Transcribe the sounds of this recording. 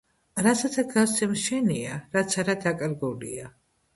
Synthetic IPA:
ɾasat̪ʰaɡasɛmʃɛniaɾat̪sʰaɾad̪akʼɾɡulḭa

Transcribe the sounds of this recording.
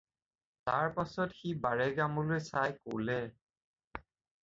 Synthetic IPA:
taɹpasɔtxibaɹɛɡamɔlojsajko̰lɛ

